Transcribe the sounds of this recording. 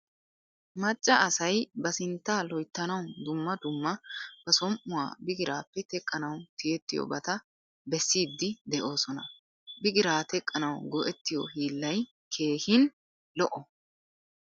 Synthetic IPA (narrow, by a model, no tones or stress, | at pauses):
mɐt͡ʃʼːɐɐsɐjbɐsɪnt̪ːaːlɔjt̪ːɐnɐwd̪ʊmːɐd̪ʊmːɐb̥ɐsɔmʔʊwa̰ːbɪɡɪɾaːpːɛt̪ɛkʼːɐnɐwt̪ɪjɛt̪ːɪjɔ̰bɐt̪ɐ | bɛsːiːd̪ːɪd̪ɛʔo̞ːsɔnɐ | bɪɡɪɾaːt̪ɛkʼːɐnɐwɡɔʔɛt̪ːɪjɔ̰hiːlːɐj | kʰe̞ːhɪn | lɔʔɔ